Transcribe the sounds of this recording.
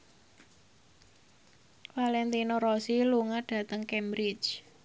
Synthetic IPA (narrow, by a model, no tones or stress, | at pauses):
falɛnt̪inoɾɔsiluŋaɖ̥ä̤t̪əŋkɛmbɾɪd͡ʒ